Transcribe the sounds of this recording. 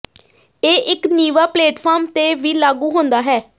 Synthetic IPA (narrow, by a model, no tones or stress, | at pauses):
eːʔɪkniːʋaːpleːʈpʰaːɾmt̪eːʋiːlaːɡuːɦõnd̪aːɦɛː